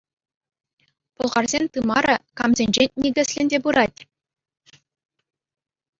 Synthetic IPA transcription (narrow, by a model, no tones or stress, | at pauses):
pŏlˠʁɑrzʲenʲt̪ɯmɑɾɤkɑmzʲenʲd͡ʑenʲnʲeɡʲɘ̆sʲlʲɘ̆nʲdʲebuɾɑtʲ